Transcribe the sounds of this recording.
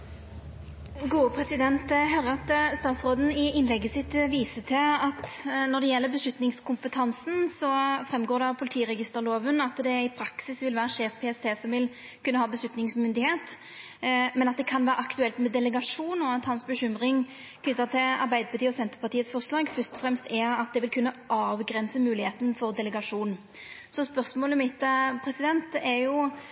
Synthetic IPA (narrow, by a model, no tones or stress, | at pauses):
ɡuːəpʰʁɛsɪd̪ɛnt̪ɦœɾəɑt̪st̪ɑːt̪sʁoːd̪n̩ɪɪnlɛɡːəsɪt̪ʋiːsət̪ʰɪlɑt̪nɔd̪ɛjɛlːəbəslʉt̪nɪŋskʰʊmpət̪ʰɑnsn̩sɔfʁɛmɡoːɾd̪ɛɑpʰʊlɪt̪ʰiːʁɛɡɪst̪əʁloːʋənɑt̪d̪ɛɪpʰɾɑksɪsʋɪlʋæːʁəʂeːfpʰeːɛst̪ʰeːsɔmʋɪl | kʉnːəhɑːbəslʉt̪nɪŋsmʏnd̪ɪheːt̪ | mɛnɑt̪̚d̪ɛkʰɑnʋæːɾəɑkt̪ʉɛlt̪mɛd̪ɛləɡɑʂuːnɔɑt̪hɑnsbəɕʏmʁɪŋ | kʰnʏt̪ːət̪ʰɪlɑ̰ʁbæɪd̪əpʰɑt̪ʰiːɔsɛnt̪əʁpɑʁt̪ʰiːət̪sfɔʁʂlɑːɡfœst̪ɔfʁɛmst̪ʰɛɑt̪̚d̪ɛʋɪlkʰʉnːəʔɑːʋɡɾɛnsəmʉːlɪheːt̪ənfɔʁd̪ɛləɡɑʂuːn | sɔspœʁsmoːləmɪt̪ːəpʰɾɛsɪd̪ɛnt̪ɛɾjʊ